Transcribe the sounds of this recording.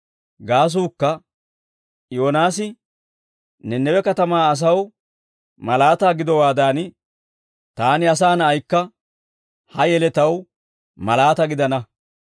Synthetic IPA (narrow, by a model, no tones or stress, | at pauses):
ɡaːs̬uːkːɐ | jo̞ːnaːsɪ | nɛnːɛwɛkɐt̪ɐmaːɐs̬ɐw | mɐlaːt̪aːɡɪd̪ɔwaːd̪aːn | t̪aːnɪɐs̬aːnɐjkːɐ | hɐjɛlɛt̪ɐw | mɐlaːt̪ɐɡɪd̪ɐnɐ